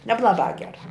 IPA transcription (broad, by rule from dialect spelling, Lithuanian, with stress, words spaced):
nʲɛblˠɐˈbɑː ˈɡʲæːrɑː